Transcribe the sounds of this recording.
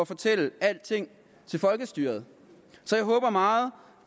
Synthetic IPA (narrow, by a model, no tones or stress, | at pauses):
ɒfɒ̽t͡sʰel̰əæl̰d̥̚t͡sʰe̝ŋ̰ | t͡sʰe̝lfɒ̽lɡ̥əsd̥yːɐð̞̩ˠ | sɒjɑ̈ɪɦɔ̽ːb̥ɐmɑ̈ːð̞̩ˠ